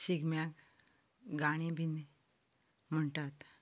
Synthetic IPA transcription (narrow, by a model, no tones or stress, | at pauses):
ɕiɡmjak | ɡaɽ̃ibʱine | m̤əɳʈat̪